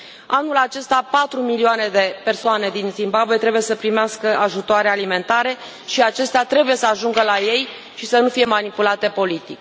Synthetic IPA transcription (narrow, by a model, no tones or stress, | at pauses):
anulat͡ʃe̞st̪apat̪ɾumilioane̞d̪e̞pe̞rsoane̞d̪inzimbabuet̪ɾe̞buje̞səpɾimeaskəʔaʒut̪oaɾealime̞nt̪aɾe̞ | ʃiat͡ʃe̞st̪eat̪ɾe̞buje̞səaʒuŋɡəlaje̞j | ʃisənufije̞manipulat̪e̞po̞lit̪ik